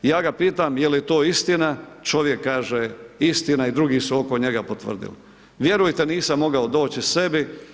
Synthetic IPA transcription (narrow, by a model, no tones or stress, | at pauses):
jaːɡapiːt̪amjeljt̪oːist̪inat͡ʃo̞ʋjekːaːʒeist̪inaid̪ɾuɡisuo̞ko̞ɲeɡapot̪ʋr̩d̪ḭl | ʋje̞ɾujt̪eniːsamːo̞ɡaod̪o̞ːt͡ɕise̞bi